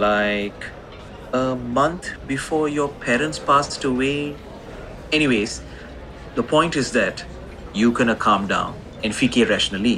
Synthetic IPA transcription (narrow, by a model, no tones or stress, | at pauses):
laɪk | əmʌ̃nt̪ʰbifɔːɾjɔpʰɛːɾə̃nʈspaːsʈəweː | ɛñiweːz | d̪əpʰɔ̃ɪ̃nʈɪzd̪æʈ | juːɡɛnəkʰʌ̃mɖã̰ʊ̃n | ɛ̃nɖfikeɾæʃənəli